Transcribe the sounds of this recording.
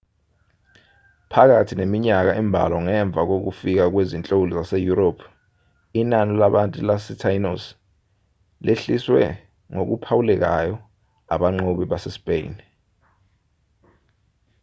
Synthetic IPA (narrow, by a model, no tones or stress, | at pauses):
pʰak̬atʰinemiɲak̬aʔɛmbʱa̰lɔŋɛɱb̪vʱak̬ok̬ufik̬ak̬wezint͡ɬʼowulɔzasɛjuɾopʰ | inanilaɓantʼulasitʰainos | lʔeɬiswɛ̰ | ŋok̬upʰawulɛk̬ajɔ | a̰ɓaŋ͡ǃoɓiɓasɛspʼḛjn